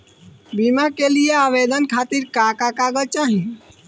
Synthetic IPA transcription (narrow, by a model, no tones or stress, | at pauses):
bimakelijeaʋed̪ənkʰat̪iɾkakakaɡəlt͡ʃaɦi